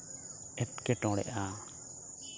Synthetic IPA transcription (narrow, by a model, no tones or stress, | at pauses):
ɛt̚kɛʈɔ̃ɽɛ̰ʔa